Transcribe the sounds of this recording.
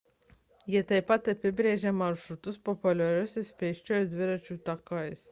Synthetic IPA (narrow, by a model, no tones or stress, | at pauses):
jiɛt̪ɐɪpːɐt̪ɐpʲɪbʲɾʲeːʒʲemɐɾʃɾʊt̪ʊspɔpʊlʲɛɾʲʊsʲɪspʲɛɪʃʲt͡ʃʲoːjd̪ʲʋʲɪɾɐt͡ʃʲuːt̪ɐkɐɪs